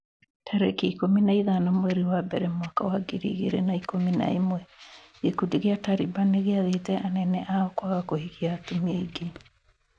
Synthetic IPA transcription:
tʰaɾɛkiikominaiðanamwɛɾiwabɛɾɛmwaka̰waɡiɾḭɣḛɾḛnaikomina̰imwɛ | ikudiɣeataɾibaneɣeaðetɛʔanɛnɛʔaɔkwaɣakohiɣiaːtumieiɡe

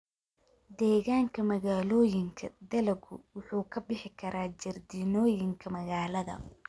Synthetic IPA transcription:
d̪ɛːɣaːŋkʰɐmɐɣaːlɔːjɪŋkʰɐ̰d̪ɐlɐɡʊ̰wʊħuːkʰɐbɪħɪkʰɐɾʔaːt͡ʃɐrd̪iːnɔːjɪŋkʰɐmɐɣaːlɐðɐ̰

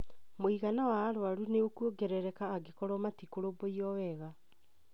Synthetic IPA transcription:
moiɣanawaːɾwaɾuneokwoɡɛɾɛɾɛkaːɡekɔɾɔmatikoɾoboiɔwɛɣa

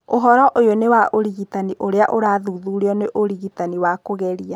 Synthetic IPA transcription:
oɦɔɾɔʔojonewaʔoɾiɣitaniʔoɾeaʔoɾaːðuːðuɾiɔneʔoɾiɣitaniwakoɣɛɾia

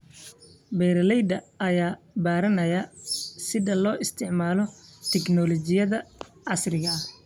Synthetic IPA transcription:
bɛːɾɐlɛjd̪ɐʔɐjaː | baːɾɐnɐjɐsɪðɐlɔːʔɪst̪ʰɪʕmaːlɔt̪ʰɛɡnɔlɔt͡ʃɪjɐðɐ | ʕɑsrɪɣɐɐh

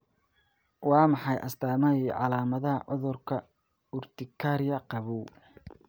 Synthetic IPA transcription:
wɑːmɑħɑjʔɐst̪ʰaːmɐiʕɑlaːmɐðɐɦɐʕʊðʊrkʰɐ | ʊrt̪ʰɪkʰaɾjɐqɑβuw

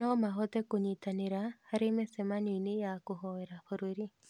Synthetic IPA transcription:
ɔmaɦɔtɛkoɲitaneɾahaɾemesɛmaninejakoɦɔɛɾafoɾoɾi

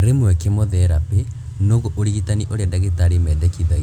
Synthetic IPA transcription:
ɾemwɛkemɔðɛɾape | noɣɔʔoɾiɣitaniʔoɾeadaɣetaɾimɛdɛkiða

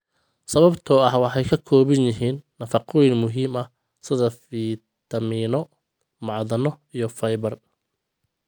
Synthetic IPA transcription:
sɐβɐbt̪ʰɔɐhwɑħɑjkʰɐkʰɔːβɪnjɪɦiːnːɐfɑqʰɔnmʊɦiːmɐh | sɪðɐfi | t̪ʰɐmiːnɔ | mɑʕðɐnɔ | ijɞfɐjβɐr

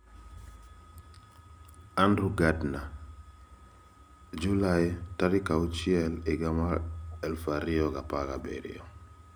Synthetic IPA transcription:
andɾuɡadna | d͡ʒulajtaɾikaut͡ʃiɛlɪɡama̰ɛlfaɾiɔɡapaɡabɛ̰ɾḭɔ

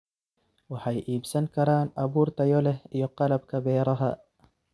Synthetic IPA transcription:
wɪħajʔiːbsankaɾˤɑːnʔabuːɾt̪ajolejoqɑlab̚kabeːɾˤɑɦa̰

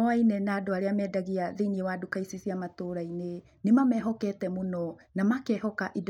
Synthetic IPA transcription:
oajnenadoaɾiamedaɡiaðiniewadukajsisiamatoɾajne | nimameɦoketemuno | namakeɦokaʔid

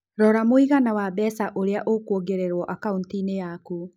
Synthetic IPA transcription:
ɾɔɾamoiɣanawabɛsaʔoɾeaʔokoɡeɾeɾwɔʔakauntinejaku

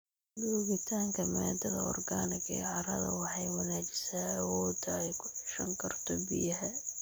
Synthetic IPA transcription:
duːɣɪt̪ʰaːŋkʰɐmɛːd̪ɐðɐɔ̰rɡaːnɪɡɛʕɑɾɐðɐ̰wɑħɑjwɑnaːt͡ʃɪsaːwɔːd̪ɐɛjkʰʊħʊ̥ʃɐŋkʰɐrt̪ʰɔbɪjɐɦɛ

